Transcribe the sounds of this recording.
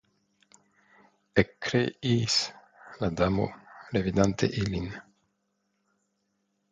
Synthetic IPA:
ekːɾeis | lad̪amo̰ɾevid̪ant̪ḛʔilin

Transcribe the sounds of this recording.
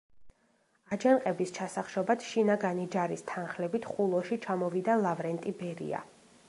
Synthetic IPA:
ad͡ʒanqʼɛbist͡ʃʰasaχʃɔbad̪ʃinaɡanid͡ʒaɾist̪ʰanχlɛbit̪ʰχulˠɔʃit͡ʃʰamɔvid̪alˠavɾɛnt̪ʼibɛɾḭa̰

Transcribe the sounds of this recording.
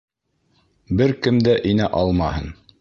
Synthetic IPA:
bɘɾkɘmd̪æʔinæʔɑlˠmɑhɤn

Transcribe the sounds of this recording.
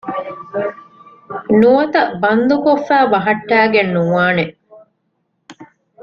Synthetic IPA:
nuʋɐt̪ɐbɐnd̪ukofːæːbɐɦɐʈːæːɡenːuːaːne

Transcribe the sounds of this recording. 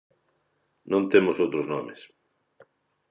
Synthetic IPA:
nõnt̪emosowt̪ɾoznɔmes

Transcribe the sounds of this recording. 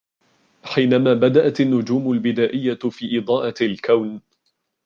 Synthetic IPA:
ħiːnamaːbad̪aʔat̪anːʊd͡ʒuːmʊlbɪd̪aːʔɪjːafiːʔɪd̪ˤɑːʔalkawn

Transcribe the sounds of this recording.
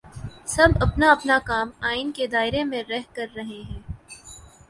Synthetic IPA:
sɐbɐpnaɐpnakaːmaːɪnked̪aːɪɾemẽɾɛɦkɐɾːɐɦeɦɛ̃ː

